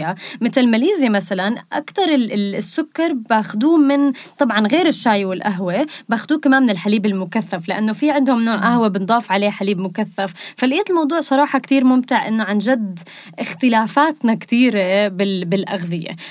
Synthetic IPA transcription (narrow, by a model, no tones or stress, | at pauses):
amɪt̪ɪlmaliːzjemasalanʔa̰kt̪ɑɾˤɪsːʊkːɑɾˤbaːxʊd̪uːmɪnt̪ˤɑbʕɑnɣeːɾɪʃːaːjwɪlʔaɦwebaːxʊd̪uːkamaːmɪnɪlħaliːbɪlmʊkaθːaflɪʔanːofiʕɪnd̪hʊmnoːʕʔahwebɪnd̪ˤɑːfʕaleːħaliːbmʊkaθːaffalʔiːaːt̪ɪlmɑwd̪ˤuːʕsˤɑɾˤɑːħɑkt̪iːɾmʊmt̪ɪʕʔɪ̰nːoʕanʒad̪ | ʔɪxt̪ɪlaːfaːt̪nakt̪iːɾebɪbɪlʔaɣðɪjḛ